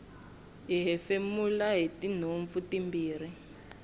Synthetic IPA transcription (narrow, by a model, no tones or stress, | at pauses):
ɦiɦɛfemulaɦitin̤oɱvutimbiːr̤i